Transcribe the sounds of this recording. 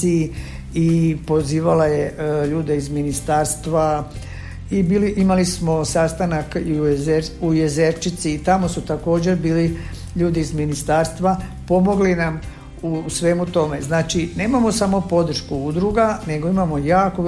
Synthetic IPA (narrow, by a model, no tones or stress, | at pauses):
i | ipo̞ziːʋalajeʎuːd̪e̞izminist̪aːɾst̪ʋa | ibiːliʔimalismo̞sast̪anakizeujezeɾt͡ʃit̪siːt̪amo̞sut̪ako̞ːd͡ʑe̞ɾbiːli | ʎuːd̪iːzminist̪aːɾst̪ʋapo̞mo̞ɡlinam | usʋe̞ːmut̪o̞me̞znaːt͡ʃine̞ːmamo̞samo̞po̞d̪ɾ̩ʃkuud̪ɾuɡane̞ɡo̞imamo̞jaːko